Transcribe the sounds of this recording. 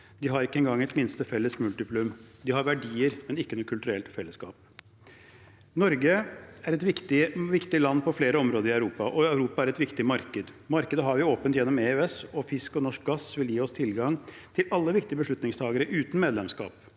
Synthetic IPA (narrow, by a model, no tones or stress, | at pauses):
d̪ɪɦɑɾɪkːəɛnɡɑŋːɛt̪mɪnst̪əfɛlːəsmʉlt̪ɪpʰlʉmd̪ɪɦɑɾʋæɖiːəɾmɛnɪkːənuːkʰːʉlt̪ʉɾɛlt̪fɛlːəskɑ̰ːp̚ | nɔɾɡəæɾɛt̪ʋɪkt̪ɪʋɪkt̪ɪlɑnːpʰɔfleːɾəɔmɾoːd̪əɾɪɑʉɾuːpɑʔɔœʉɾuːpɑæɾɛt̪ʋɪkt̪ɪmɑɾkəd̪ | mɑɾkəd̪əɦɑɾʋɪoːpənt̪jɛnːɔmeːøɛsɔfɪskɔnɔʂk̚ɡɑsʋɪljiːɔst̪ʰɪlɡɑŋ | t̪ʰɪlɑlːəʋɪkt̪ɪəbəʂɭʉt̪nɪŋst̪ʰɑːɡəɾəʔʉːt̪n̩meːd̪lɛmskɑ̰ːp